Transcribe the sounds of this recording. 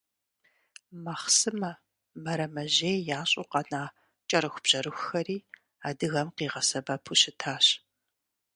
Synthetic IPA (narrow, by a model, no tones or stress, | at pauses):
mɐχsɨmɐ | mɐɾɐmɐʑeːjjaːɕʼuqɑnaː | t͡ʃʼɐɾɨxʷb̥ʑ̥ɐɾɨxxɐɾiː | aːdɨɣɐmqiːʁɐsɐbɐpʰuɕɪtʰaːɕ